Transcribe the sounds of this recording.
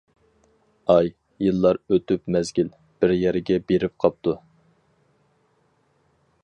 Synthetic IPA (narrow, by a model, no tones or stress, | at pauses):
ɑj | jɨlˠːɑɾøt̪ypmɛzɡʲil | b̥ɪɾjɛɾɪɡʲɛbeɾɪp̚qʰɑp̚t̪u